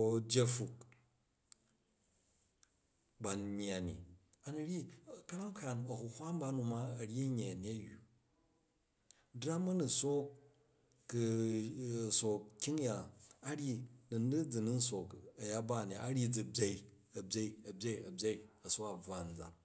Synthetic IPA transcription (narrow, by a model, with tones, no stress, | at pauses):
bʲe˦fu˨k | ba˨nɲ˦a˨nḭ˨a˨ni˨ɾʲi˦kɐ˦ɾa˦ŋ˦kʰa˨nɐ˨hu˨hʷa˦m˦ba˦nu˧ma˦ɐ˨ɾʲi˦ɲe˨ni˦ɐ˦jṵ˨ | dɾa˦mɐ˦nu˨so˦kː | so˨kkʲːi˦ŋja˨a˦ɽʲi˦nɨ˨n˦ɨ˦d͡zi˨ni˦n̩˦so˨kɐ˨ja˦ba˦˨n˨a̰˨ʔa˦ɾi˦d͡zi˨bʲe˦i˦ | ɐ˨bʲe˦i˦ɐ˨bʲe˦i˨ɐ˨bʲe˦i˨ɐ˨so˦a˨b͡va˦˨n̩˨d͡za̰˨